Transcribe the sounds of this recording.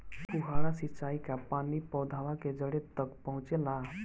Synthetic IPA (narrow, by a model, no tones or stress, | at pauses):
kuɦaɽ̃asit͡ʃaikapanipɔwd̪ʱaʋaked͡ʒəɽet̪əkpəɦũt͡ʃela